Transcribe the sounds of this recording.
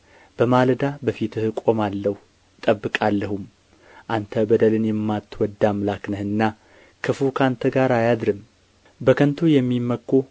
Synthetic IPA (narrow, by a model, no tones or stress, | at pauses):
b̥əmaləd̪abəfit̪ʰɨhɨkʼo̞malːəhu | t̪ʼəbːɨkʼalːəhum | ʔant̪ʰəbəd̪əlɨnjɛmːat̪ʰːwɔd̪ːamlaknəhɨnːa | kʰəfukʰant̪ʰəɡaɾajad̪ɾɨm | bəkʰənt̪ʰujɛmːimːəkːo